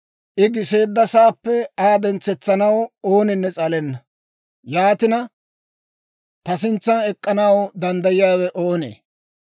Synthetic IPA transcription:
ʔɪɡɪse̞ːd̪ːɐsaːpːɛaːd̪ɛnt͡sːɛt͡sːɐnɐwo̞ːnɪnːɛt͡sʼɐlɛnːɐ | jaːt̪ɪnɐ | t̪ɐsɪnt͡sːɐnɛkʼːɐnɐwd̪ɐnd̪ɐjɪjaːwɛʔo̞ːnḛː

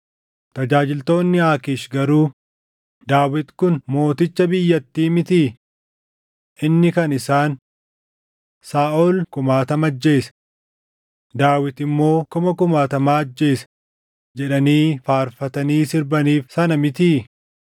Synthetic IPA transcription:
t̪ɐd͡ʒaːd͡ʒɪlt̪o̞ːnːɪaːkɪʃɡɐɾuː | d̪aːwɪt̪kʊnmo̞ːt̪ɪt͡ʃːɐbɪjːɐt̪ːiːmɪt̪iː | ʔɪnːɪkɐnɪsaːn | saːʔoːlkʊmaːt̪ɐmɐd͡ʒːe̞ːsɐ̥ | d̪aːwɪt̪ɪmːo̞ːkʊmɐkʊmaːt̪ɐmaːɐd͡ʒːe̞ːsɐ̥ | d͡ʒɛᶑɐniːfaːɾfɐt̪ɐniːsɪɾbɐniːfsɐnɐmɪt̪iː

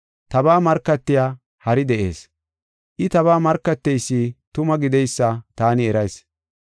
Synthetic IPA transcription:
t̪ɐbaːmɐɾkːɐt̪ːɪjaː | hɐɾɪd̪ɛʔe̞̰ːs | ʔɪt̪ɐβaːmɐɾkːɐt̪ːɛjsːiːt̪ʊmɐɡɪd̪ɛjsːɐt̪aːnɪɛɾɐjs

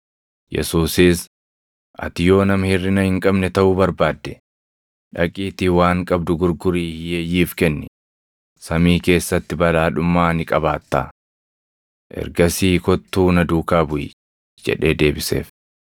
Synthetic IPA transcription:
jɛ̰suːsɪs | ʔɐ̰t̪ɪjo̞ːnɐmhɪrːɪnɐhɪŋkʼɐbnɛt̪ɐʔubɐɾbaːd̪ːɛ | ᶑɐkʼiːt̪ɪwaːŋkʼɐbd̪ʊɡʊɾɡʊɾiːhɪjeːjiːfkɛnːɛ | sɐmiːke̞ːsːɐt̪ːɪbɐlaːᶑʊmːaːnɪkʼɐbaːt̪ːa̰ː | ʔɛ̰ɾɡɐsiːkɔt̪ːuːnɐd̪uːkaːbʊjɪ̰ | d͡ʒɛ̰ᶑe̞ːd̪e̞ːbɪse̞̰ːf

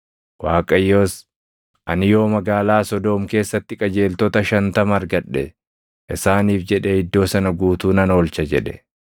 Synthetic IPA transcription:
waːkʼɐjːo̞ːs | ʔɐnɪjo̞ːmɐɡaːlaːsɔd̪oːmke̞ːsːɐt̪ːɪkʼɐd͡ʒe̞ːlt̪ɔt̪ɐʃɐnt̪ɐmɐɾɡɐᶑːɛ | ʔɪsaːniːfd͡ʒɛᶑɛɪd̪ːo̞ːsɐnɐɡuːt̪uːnɐno̞ːlt͡ʃɐd͡ʒɛᶑɛ̥

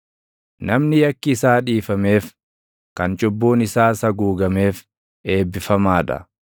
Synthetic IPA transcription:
nɐmnɪjɐkːɪːsaːᶑiːfɐme̞ːf | kɐnt͡ʃʼʊbːoːnɪsaːsɐɡuːɡɐme̞ːf | e̞ːbːɪfɐmaːᶑɐ̰

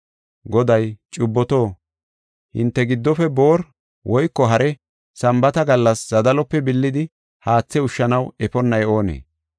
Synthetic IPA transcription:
ɡɔd̪ɐjt͡ʃʼʊbːɔt̪o̞ː | hɪ̰nt̪ːɛɡɪd̪ːɔfɛbo̞ːɾ | wʔɔjkːɔɦɐɾɛ | sɐmbɐt̪ɐɡɐlːɐszɐd̪ɐlɔpːɛbɪlːɪd̪ɪ | haːt͡sːɛʊʃːɐnɐwɛfɔnːɐjo̞ːnḛː

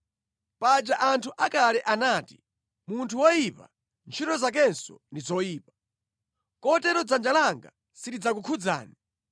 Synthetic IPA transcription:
pad͡ʒaʔantʰuʔakalɛʔanaːti̥ | muntʰuwɔjipa̰ | nt͡ʃʰitɔzak̬ɛnsɔ̰ndizɔjiːpḁ | kɔtɛɾɔd͡zand͡ʒalaŋɡa | sidid͡zakukʰud͡za̰ːni

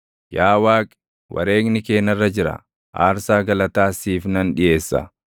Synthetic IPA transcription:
jaːwaːkʼ | wʔɐ̰ɾe̞ːknɪke̞ːnɐrːɐd͡ʒɪɾɐ̰ | ʔa̰ːɾsaːɡɐlɐt̪aːsiːfnɐnᶑɪje̞ːsːɐ̰

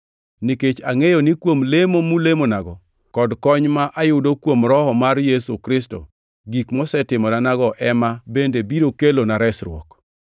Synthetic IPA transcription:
niket͡ʃaŋejonɪkwomlemomulemonaɡɔ | kɔdkɔɲmaʔajʊdokwomɾɔhɔmarjesukɾɪsto̰ | ɡikmɔsɛtɪmɔdanaɡɔʔɛmabendebiɾokelonaɾɛsɾwɔ̰k

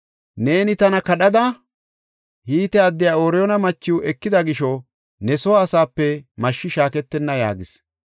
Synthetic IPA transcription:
ne̞ːnɪt̪ɐnɐkɐɗɐd̪ɐ | hiːt̪ɛɐd̪ːɪjaːoːɾɛjɔnɐmɐt͡ʃːɪwʔɛkːɪd̪ɐɡɪʃɔ | nɛsɔwːsaːpːɛmɐʃːɪʃaːkɛt̪ːɛnːɐja̰ːɡɪs

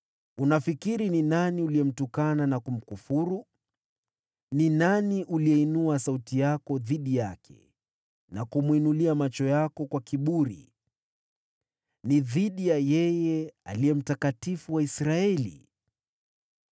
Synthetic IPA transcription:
unafikiɾininaniuliɛm̩tukananakum̩kufuɾu | ninaniʔuliɛinuasautijakɔðiɗijakʰɛ̰ | nakumwinuliamat͡ʃɔjakɔkwakiɓuɾḭ | niðiɗijajɛjɛa̰liɛm̩takatifuwaisɾaɛlḭ

